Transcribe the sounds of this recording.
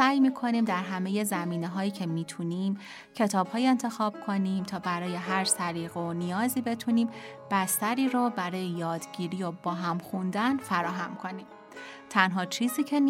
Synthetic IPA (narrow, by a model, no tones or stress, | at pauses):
æːjmiːkʰo̞niːmd̪æɾɦæme̞je̞zæmiːne̞ɦɒːjiːcʰe̞miːt̪ʰuːniːm | cʰe̞t̪ʰɒːb̥hɒːjent̪ʰe̞xɒːb̥̚kʰo̞niːmt̪ʰɒːbæɾɒːje̞ɦæɾsæɾiːɣeonijɒːziːbe̞t̪ʰuniːmb̥æst̪æɾiːɾɔːbæɾɒːjejɒːd̪ɟiːɾiːjobɒːɦæmxund̪ænfæɾɒːɦæmkʰo̞niːm | t̪ʰænɦɒːt͡ʃʰiːziːcʰe̞n